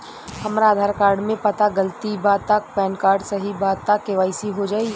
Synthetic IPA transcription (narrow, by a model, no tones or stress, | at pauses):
hɐmɾaaːd̪ʱaːɾkaːɾɖmẽpət̪aɡəlt̪ibat̪ak̚pɛːnkaːɾɖsɐɦibat̪akːeʋaːɪsiɦod͡ʒaːi